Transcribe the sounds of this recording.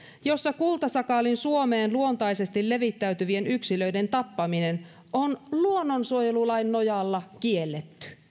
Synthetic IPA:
josːɑkult̪ɑsɑkɑlinsuo̞me̞ːnluo̞nt̪ɑjse̞st̪ilːe̞ʋit̪ːæyt̪yʋie̞nyksilø̞ide̞nt̪ɑpːɑminen | onluonːonsuojelulɑjnːojɑlːɑkielːet̪ːy̥

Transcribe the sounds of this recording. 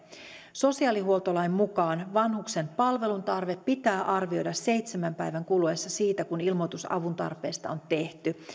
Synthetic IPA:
so̞siɑːliɦuo̞lt̪o̞lɑjmːukɑːnʋɑnɦukse̞mpɑlʋe̞lunt̪ɑrʋe̞pːit̪æːʔɑrʋio̞jdɑsːe̞jt̪semæmpæjʋæŋkuluesːɑsiːt̪ækunilmot̪usɑ̰ʋunt̪ɑ̰rpe̞ːst̪ɑ̰ont̪e̞ht̪y

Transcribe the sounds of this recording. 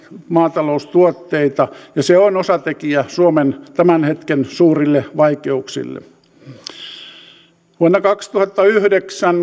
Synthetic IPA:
mɑːt̪ɑloust̪uot̪ːeit̪ɑjɑseonosɑt̪ekiæsuoment̪æmænhet̪kensuːrilːeʋɑikeuksḭlːḛ | ʋuonːɑkɑkst̪uhɑt̪ːɑyhdeksæn

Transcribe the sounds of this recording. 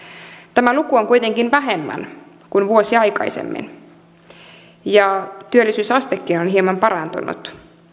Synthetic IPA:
t̪æmælukuoŋkujt̪e̞ŋkinʋæɦemːæ̰n | kunʋuosiɑjkɑ̰jsḛmːḭn | jɑt̪yølːisyːsɑst̪ekːiːnonɦiemɑmpɑɾɑnt̪ṵnṵt̪

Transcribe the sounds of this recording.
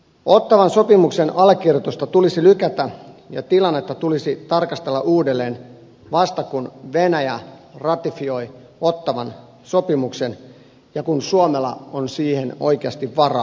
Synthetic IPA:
o̞t̪ːɑʋɑnso̞pimuksenɑlkirjot̪ost̪ɑt̪ulisilykæt̪æjɑ̰t̪ilɑnːet̪ːɑt̪ulisit̪ɑrkɑst̪elːɑʔuːdelːe̞ːn | ʋɑst̪ɑkunʋenæjærɑt̪ifio̞j | o̞t̪ːɑʋɑn | so̞pimuksen | jɑkunsuomelɑ̰onsiːheno̞̰ikeɑst̪iʋʋɑrɑ̰

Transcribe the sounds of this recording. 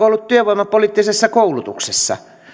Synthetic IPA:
oolːut̪t̪yøʋoˑimːɑpoliːˑt̪ːisesːɑkoˑulut̪ṵksesːɑ̰

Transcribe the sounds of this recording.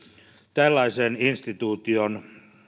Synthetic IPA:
t̪ælːɑiseːninst̪it̪uːt̪ion

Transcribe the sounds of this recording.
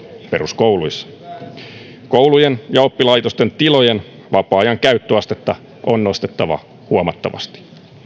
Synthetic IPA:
pe̞rusko̞wluisːɑ̥ | kowlujenjɑo̞pːilɑjt̪o̞st̪e̞nt̪ilo̞jen | ʋɑpɑːjɑŋkæyt̪ːøɑst̪e̞t̪ːɑ | ʔonːno̞st̪e̞t̪ːɑʋɑ̰ | huomɑt̪ːɑ̰ʋɑ̰st̪i̥

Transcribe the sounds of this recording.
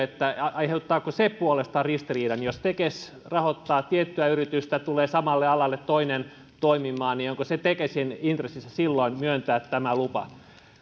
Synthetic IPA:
et̪ːæɑiheut̪ːɑːkosepuolest̪ɑrrist̪iriːdɑnjost̪ekes | rɑhot̪ːɑːt̪iet̪ːyæyrit̪yst̪æt̪uleːsɑmɑlːeɑlɑlːet̪t̪oinen | t̪oimimˑɑːnnioŋkoset̪ekesinint̪resːisːɑsilːoinmyønt̪æːt̪t̪æmælupɑ̰

